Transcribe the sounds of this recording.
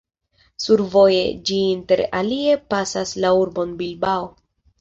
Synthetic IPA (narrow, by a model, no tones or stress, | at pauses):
suɾvo̞je̞d͡ʒiːnte̞ɾalie̞pasaslauɾbo̞nbilbawo